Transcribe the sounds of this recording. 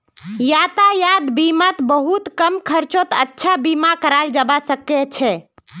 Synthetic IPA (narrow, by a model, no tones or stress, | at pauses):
jat̪ajad̪bimat̪bəɦut̪kəmkʰəɾt͡ʃot̪ətːʃʰabimakəɾald͡ʒəbasəket͡ʃʰɛ